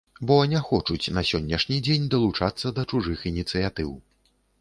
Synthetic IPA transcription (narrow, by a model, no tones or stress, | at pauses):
bɔnʲɛxɔt͡ʂut͡sʲnɐsʲɔnʲːɛʂnʲid͡zʲenʲd̪ɐlˠut͡ʂat̪sːɐd̪ɐt͡ʂuʐɨxinʲit̪sɨjat̪ɨw